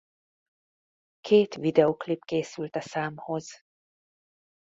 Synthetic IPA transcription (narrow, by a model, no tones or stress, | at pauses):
kʰeːt̪ʋid̪ɛoklipkeːsylt̪ɛsaːmhoz